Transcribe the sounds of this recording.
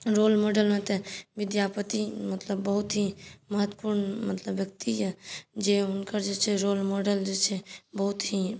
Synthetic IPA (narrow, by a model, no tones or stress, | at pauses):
ɾoːlmoːɖəlmẽt̪eʋɪd̪jaːpət̪imət̪ləbːəɦut̪ɦiməɦət̪wpuɾnmət̪ləbjək̚t̪id͡ʒɛd͡ʒeʊnkəɾd͡ʒet͡ʃʰeɾoːlmoːɖəld͡ʒet͡ʃʰebəɦut̪ɦi